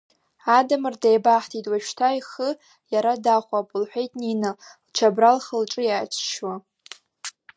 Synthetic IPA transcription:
adamɨrdejbaħtʰitʼwaʃtʰaiχə | jaɾadaχʷapʼʊlħʷᶣejtʼninɨlt͡ʃʰabralχəlʈ͡ʂʼɨjaːt͡ʃʷʰʃwa

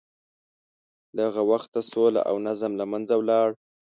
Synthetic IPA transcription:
laɣawaxt̪ːasola̰ʔa̰wnazamlamanzawlɑɽ

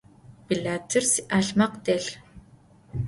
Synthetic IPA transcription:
biɮaːtʰɨrsiʔaːɬmɐqdeɬ

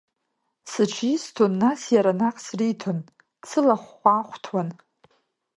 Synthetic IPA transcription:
sɨt͡ʃʰistʰonːasjaɾanaqʼsritʰon | t͡sʰɨlaχʷːaχʷtʰwan

